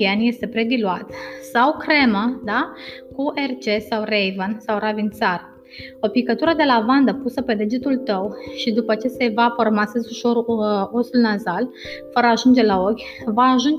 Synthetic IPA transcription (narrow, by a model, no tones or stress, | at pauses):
ienje̞st̪e̞pɾe̞d̪iluat̪sawkɾe̞mad̪akuʔe̞rt͡ʃe̞sawrejvənsawravint̪sar | o̞pikət̪uɾəd̪e̞lavand̪əpusəpe̞d̪e̞d͡ʒet̪ult̪əwʃid̪upət͡ʃe̞se̞vapərmasezuʃo̞ɾo̞sulnazal | fəɾəaʒund͡ʒe̞lao̞kʲ | vaːʒund͡ʒ